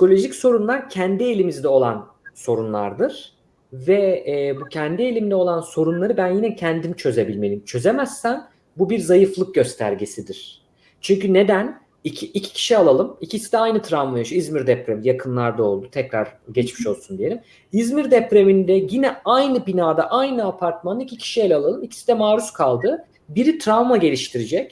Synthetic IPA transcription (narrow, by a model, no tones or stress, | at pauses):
si̥ko̞lʲo̞ʒicso̞ɾunlˠaɾcʰænd̪ielʲimizd̪ɛo̞lˠan | so̞ɾunlˠa̰ɾd̪ɯɾ̥ | vɛbucʰɛnd̪ie̞lʲimd̪ɛolˠanso̞ɾunlˠaɾɯbænjinɛcʰænd̪imit͡ʃʰø̞ze̞bilʲme̞lʲimt͡ʃʰø̞ze̞mæsːæn | bubiɾzajɯflˠɯk̚ɟø̞st̪ʰæ̰ɾɟesid̪iɾ̥ | t͡ʃʰyɲcyne̞d̪æn | icʰiːcʰi̥cʰi̥ʃialˠalˠɯmicʰisid̪ɛajnɯt̪ʰɾavmajaʃizmiɾd̪ɛpɾevijakʰɯnlˠaɾd̪ao̞lˠd̪ut̪ʰɛcɾaɾɟɛt͡ʃmiʃo̞lˠsund̪ije̞lʲim | izmiɾd̪ɛpɾemind̪ɛjinɛajnɯbinaːd̪aʔajnɯapʰaɾt̪manicʰicʰi̥ʃielʲalˠalˠɯmicʰi̥sid̪ɛmaːɾuskʰalˠd̪ɯ | biɾit̪ʰɾavmaɟe̞lʲiʃt̪ʰiɾid͡ʒɛc